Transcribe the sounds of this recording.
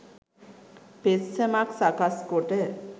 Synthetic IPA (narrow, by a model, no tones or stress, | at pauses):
pessemaksakaskoʈe